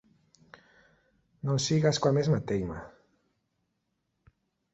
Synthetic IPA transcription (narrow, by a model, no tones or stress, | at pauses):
nosiɣaskwamezmat̪ejma̰